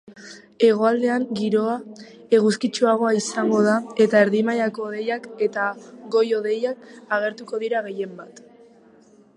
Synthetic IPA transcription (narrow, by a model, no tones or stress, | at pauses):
e̞ɣ̞o̞ald̪e̞aŋɡiɾo̞a | e̞ɣuskit͡ʃuaɣ̞o̞aisaŋɡo̞ð̞ae̞t̪ae̞ɾðimajako̞ːðe̞jake̞t̪aɡo̞jo̞ðe̞jakaɣ̞e̞ɾt̪uko̞ðiɾaɣ̞e̞je̞mbat̪